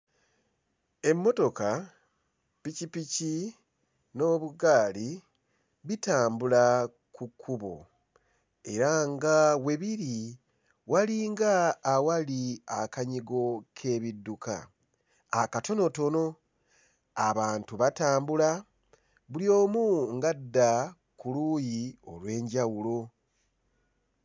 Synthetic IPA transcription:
e̞mːo̞to̞ka | picipici | no̞ːβuɡaːli | βitaːmbula | kukʰːuβo̞̰ | e̞ɾaŋɡawe̞βiɾi | waliːŋɡaːwaliakaɲiɡo̞kʰe̞ːβidːuka̰ː | kato̞no̞to̞no̞ | aβaːntuβataːmbula | βulijo̞ːmuŋɡadːa | kuluːjio̞̰lwe̞ːɲɟawulo̞

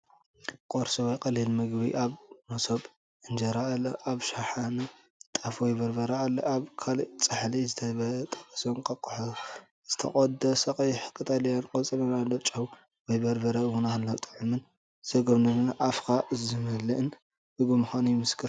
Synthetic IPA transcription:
kʼoɾsɐwɔjkʼɐlilmɨɡbḭʔaβmosob | ʔɨnd͡ʒɐɾalːɐʔaβʃaħanɨ | t̪ʼafwjbɐɾbɐɾɐalːɐʔaβkʰalit͡sʼɨħlizɨt̪ʰɐβɐlɐt̪ʼɐ̥kʼɐsonkʼɐkʼuħo | z̥ɨt̪ʰɐ̰kʼod̪ɐsɐkʼɐjħɨkʼɨt̪ʼɐljankʼɐt͡sʼɐlɐnalɐt͡ʃʼɐw | wɔjbɐɾbɐɾɐwunalːot̪ʼɨ̥ʕumɨn | z̥ɐɡɐβnɨnɨnʔafkʰaʔɨzɨmɨlɨʔɨn | ɨɡumɨxanujɪmɨskʰɨɾ

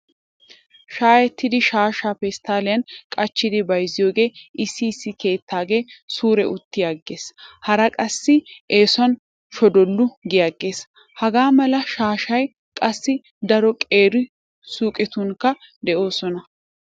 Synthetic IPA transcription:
ʃaːjɛt̪ːɪd̪ɪʃaːʃaːfɛst̪aːlɪjɐnkʼɐt͡ʃːɪd̪ɪbɐjzːɪjo̞ːɡe̞ːɪsːiːsːɪke̞ːt̪ːaːɡe̞ːsuːɾɛʔʊt̪ːɪjaɡːe̞ːshɐɾɐkʼɐsːɪʔeːsʊɐn | ʃɔd̪ɔlːʊɡɪjaɡːe̞ːs | hɐɡaːmɐlɐʃaːʃɐj | kʼɐsːɪ | d̪ɐɾɔkʼe̞ːɾɪ | suːkʼɪt̪ʊŋkːɐ | d̪ɛʔo̞ːsɔnɐ

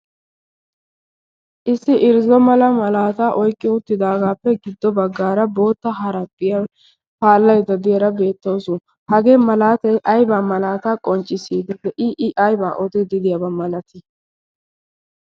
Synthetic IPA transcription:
ʔɪsːɪʔɪɾzɔmɐlɐmɐlaːt̪aːʔɔjkʼːɪʊt̪ːɪd̪aːɡaːpːɛɡɪd̪ːɔbɐɡːaːɾɐbo̞ːt̪ːɐɦɐɾɐpʼːɪjɐ | paːlːɐjd̪ɐd̪ɪjɐɾɐbe̞ːt̪ːɐwsʊ | hɐɡe̞ːmɐlaːt̪ɐjʔɐjbaːmɐlaːt̪aːkʼɔnt͡ʃʼːɪsiːd̪ɛd̪ɛʔɪʔɪʔɐjbaːʔɔt̪ɪd̪ɪd̪ɪjɐbɐmɐlɐt̪ɪ

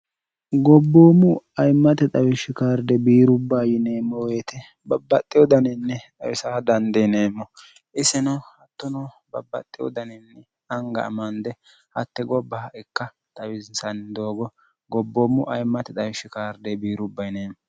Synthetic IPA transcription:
ɡɔbːoːmʊɐjmːɐt̪ɛt̪ʼɐwɪʃːɪkaːɾd̪ɛbiːɾʊbːaːjɪne̞ːmːɔweːt̪ɛ | bɐbːɐt̪ʼːɪjɔd̪ɐnɪnːɛt̪ʼɐwɪsaːd̪ɐnd̪ɛneːmːɔ | ʔɪsɛnɐhɐt̪ːɔnɐ | bɐ̰bːɐ̰t̪ʼːɪjɔ̰d̪ɐnɪnːɛ | ɐŋɡɐ̰ɐ̰mɐnd̪ɛ | hɐ̰t̪ːɛɡɔbːɐɛkːɐ | t̪ʼɐwɪzsɐnd̪o̞ːɡɔ | ɡɔbːo̞ːmːʊʔɐjmːɐt̪ɛt̪ʼɐwɪʃːɪkaːɾd̪ɛbiːɾʊbːɐjneːmɔ

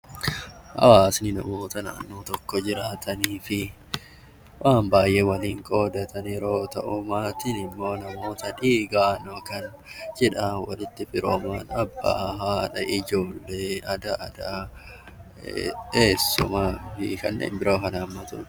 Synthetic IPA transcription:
hɐ̰waːsnɪnɐmo̞ːt̪ɐna̰ːnːoːt̪ɔkːɔd͡ʒɪɾaːt̪ʰɐniːfɪ | wʔaːmbaːjʔeːwɐliːŋkʼo̞ːd̪ɐt̪ʰɐnɪɾo̞ːt̪ɐʔʊmaːt̪ɪnɪmːo̞ːnɐmo̞ːt̪ɐᶑiːɡaːnokɐn | d͡ʒɛᶑɐwɐ̰lɪt̪ːɪfɪɾoːmaːnɐbːa̰ːɦaːᶑɐʔɪd͡ʒo̞ːlːe̞ːɐd̪ɐɐd̪a | eːsːʊ̰mɐfɪ̰kɐ̰nːḛːmbɪɾʔo̞ːkɐnamːɐt̪ʊ

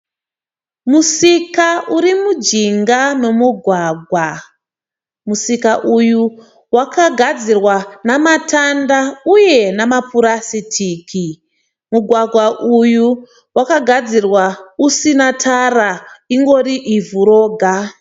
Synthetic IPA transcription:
musikauɾimud͡ʒiŋɡame̞muɡʱwaːɡʱwa | musikaʔuju | wakʰaɡʱad͡zirwanamatʰandauje̞namapuɾasitʰiːkʰi | muɡʱwaɡʱwaʔuju | wakaɡʱad͡zirwausinatʰaraiŋɡo̞ɾiʔivuɾo̞ːɡʱa

